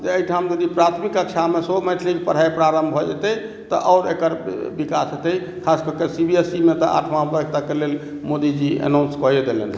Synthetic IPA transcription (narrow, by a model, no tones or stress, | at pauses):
d͡ʒeəiʈʰamd͡ʒəd̪ipɾat̪ʰmikəkt͡ʃʰamesomɛʈʰlikpəɽ̤ajpɾaɾəmbʱɔd͡ʒɛt̪ɛj | t̪ɔʔɔːɾekəɾbikasɦet̪ɛj | kʰaskɔkesibiesimet̪ɔ̰ʔa̰ʈʰmabək̚ʰt̪akelel | mod̪id͡ʒiə̰nawnskɔjed̪elɛn